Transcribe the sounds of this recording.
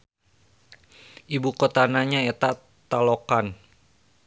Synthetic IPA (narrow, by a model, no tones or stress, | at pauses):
ibukot̪anaɲaɛt̪a | t̪alokan